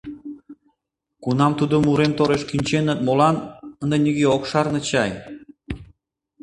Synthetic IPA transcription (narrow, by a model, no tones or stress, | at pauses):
kunɑmt̪ud̪omuɾemt̪oɾeʃkinʲt͡ɕenət̪̚molɑnənd̪enʲiɣeokʃɑrnɤ̆t͡ɕɑj